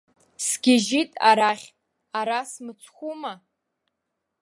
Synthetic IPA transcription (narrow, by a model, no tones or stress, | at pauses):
sɡʲɪʒitʼa̰ɾaχʲ | aɾasmɨt͡sʰkʷuma